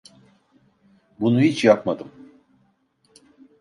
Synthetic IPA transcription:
bunuɦit͡ʃjapmad̪ɯm

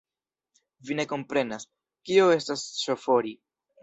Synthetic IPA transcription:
vine̞ko̞mpɾe̞nas | kio̞e̞stasʃofo̞ɾi

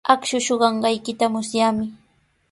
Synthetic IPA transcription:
akʃʊʃoɢɑɴɢɑjkɪt̪amʊsjaːmɪ

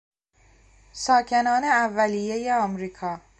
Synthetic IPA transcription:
sɒːcʰe̞nɒːne̞ævːælijejeɒːmɾiːkʰɒː

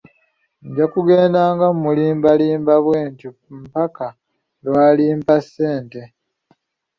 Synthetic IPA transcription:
ɲɟakuɡe̞ːndaːŋɡammuliːmbaliːmbaβweːɲtu | m̩paka | lwaːliːmpasːe̞ːnte̞

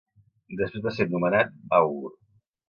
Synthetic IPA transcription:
d̪əspɾezβaseɾnumənat̪̚awɾ

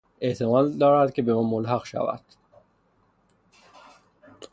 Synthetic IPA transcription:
ʔe̞ʔt̪ʰemɒːd̪d̪ɒːɾæd̪cʲʰe̞be̞mɒːmolɦæqʃæ̰væ̰d̪̥

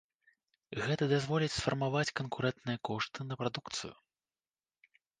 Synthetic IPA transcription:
ɣɛt̪ɐd̪azvɔlʲit͡sʲsfɐrmavat͡sʲkɐnkuɾɛnt̪nɨjɐkɔʂt̪ɨnɐpɾad̪ukt̪sɨ̰jṵ

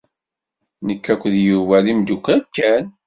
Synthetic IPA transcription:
nəkːækʷːðjuvælimd̪ukʷːænkːæn

